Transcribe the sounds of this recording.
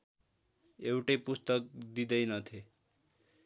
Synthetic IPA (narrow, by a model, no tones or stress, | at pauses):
ewʈepust̪ʌk̚d̪id̪ʌjnʌt̪ʰe